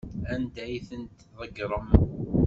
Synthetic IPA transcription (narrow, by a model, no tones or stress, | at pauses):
ænd̪æjθənt̪ðˤəɡɾˤəmən